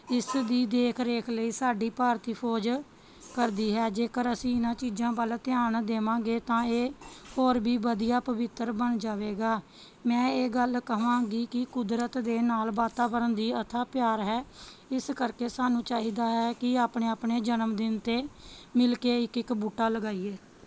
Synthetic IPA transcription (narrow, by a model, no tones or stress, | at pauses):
ɪsd̪iːd̪eːkʰɾeːkʰləiːsaːɖiːpaːɾt̪iːpʰɔːd͡ʒ | kəɾd̪iːɦɛːd͡ʒeːkəɾəsĩːɪnãːt͡ʃiːd͡ʒãːbəlt̪ɪjaːɳd̪eːʋãːɡeːt̪ãːeːhoːɾbʱiːbəd̪ijaːpəʋɪt̪ːəɾbəɳd͡ʒaːʋeːɡaː | mɛ̃ːeːɡəlkəʋãːɡiːkɪkʊd̪ɾət̪d̪eːnaːlʋaːt̪aːbəɾənd̪iːət̪ʰaːpjaːɾɦɛːɪskəɾkeːsaːnũːt͡ʃaːɦiːd̪aːɦɛːkɪaːpɳeːaːpɳeːd͡ʒənəmd̪ɪnt̪eːmɪlkeːɪkɪkbuːʈːaːləɡaːiːeː